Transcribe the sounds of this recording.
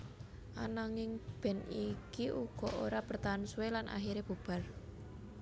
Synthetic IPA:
ʔanaŋɪŋb̥ɛ̤nikiʔuɡ̥ɔ̤ʔoɾapərt̪ansuwelanʔa̰ɦiɾeb̥ṳb̥a̤r

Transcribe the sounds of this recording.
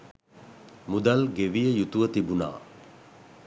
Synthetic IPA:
mud̪alɡeʋijəjut̪uʋət̪ibuna̰ː

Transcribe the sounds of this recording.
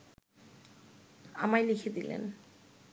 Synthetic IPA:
a̰majlikʰed̪ilḛn

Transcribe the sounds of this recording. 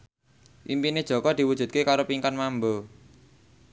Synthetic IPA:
ʔimpined̥ʒ̥ɔ̤kɔd̪̥i̤wud̥ʒ̥ṳt̪̚kekaɾopiŋkanmambo

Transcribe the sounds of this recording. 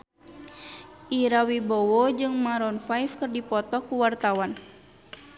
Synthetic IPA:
ʔiɾawibɔwɔd͡ʒɨŋmaɾɔnfajfkərdipɔt̪ɔkuwart̪awan

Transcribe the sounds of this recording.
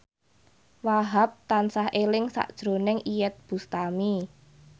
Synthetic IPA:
waɦap̚t̪ansahelɪŋsa̰ʔd̥ʒ̥ɾonɪŋʔijɛt̪̚b̥ust̪ami

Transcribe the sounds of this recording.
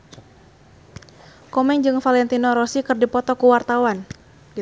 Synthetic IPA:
kɔmɛŋd͡ʒɨŋfalɛnt̪inɔɾɔsikɨrdipɔt̪ɔkuwart̪awan | ɡi

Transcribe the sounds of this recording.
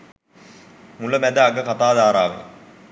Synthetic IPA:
muləmæd̪əaɡəkat̪aːd̪aːɾaːʋḛ

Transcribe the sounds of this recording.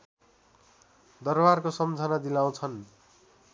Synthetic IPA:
d̪ʌrbarkosʌmd͡zʱʌnad̪ilaw̃t͡sʰʌn

